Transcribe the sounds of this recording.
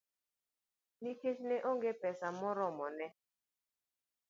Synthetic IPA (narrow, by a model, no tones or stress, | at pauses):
niket͡ʃneʔoŋɡepɛsamɔɾɔmɔnɛ